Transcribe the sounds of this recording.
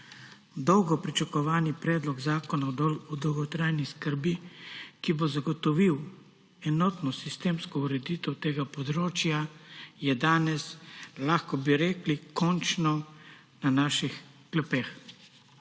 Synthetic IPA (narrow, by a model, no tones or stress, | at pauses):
d̪ɔwɡɔpɾit͡ʃakɔʋaːnipɾɛːd̪lɔɡzaːkɔnaɔd̪ɔwɡɔt̪ɾaːjniskəɾbikibozaɡɔt̪ɔʋiw | ɛnɔːt̪nɔsist̪eːmskɔuɾɛd̪iːt̪ɛwt̪eːɡapɔd̪ɾoːt͡ʃjajɛd̪aːnɛslaxkɔbiɾeːklikɔnt͡ʃnɔ | nanaːʃix | klɛpex